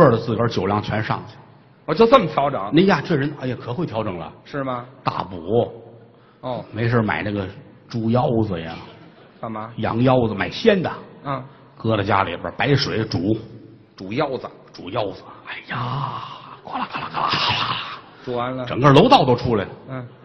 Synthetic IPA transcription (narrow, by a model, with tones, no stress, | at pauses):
ə˞˥˩d̪ə˩t͡sɹ̩˥˩kə˞˥t͡ɕjo˨˩ʊljɑ˥˩ŋt͡ɕʰɥɛ˧˥nʂɑ̰˥˩ŋ˨˩ | ɔ˨˩t͡ɕjo˥˧t͡sə˥˩m˩t̪ʰjɑ˧˥ʊʈ͡ʂɤ˨˩˦ŋna˥ja˥˩ʈ͡ʂɤ˥˩ɻə˧˥na˧˥ɛ˨˩kʰɤ˨˩xwe˥˩ɪjɑ˧˥ʊʈ͡ʂɤ˨˩ŋlə̰˧ʂɻ̩˥˩mɐ˩t̪a̰˥˩pɔ˨˧˥ | me˧˥ɪʂə˥˧˩ma̰˨˩ɪna˥˩ɡə˩ | ʈ͡ʂu˧˥jɑ˥ʊd͡zɹə˩jɛ̰˧˥ | a˨˩a˧jɑ̰˧˥ŋjɑ˥ʊd͡zə˩ma˨˩ɪɕjɛ˥nd̪ə˨˥˩ | kɤ˥ɾə˨˩t͡ɕja̰˥lḭ˨˩bə̰˧pa˧˥ɪʂwe˨˥ɪʈ͡ʂu˨˧˥ | ʈ͡ʂu˨˩jɑ˥˧ʊd͡zə˩ | ʈ͡ʂu˨˩jɑ˥˩ʊd͡zə̥˨˩a˧˩ja˧˩kwa˧˥˩la˨˩ka˧˩la˧˩ka˥˩la̰˥kla˨˩ | a˧˥nlə˧ʈ͡ʂɤ˨˩ŋɡə˞˥˧lo˧˥ʊt̪ɑ˥˩ʊt̪̬o˥ʊʈ͡ʂʰu˥la˨˩ɪlə˩˥˧